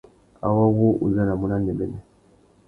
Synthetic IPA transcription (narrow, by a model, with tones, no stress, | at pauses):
a̰˨wa˦wo˦ʔṵ˨za˦na˨mu˦na˦nɛ˨bɛ˦nɛ˨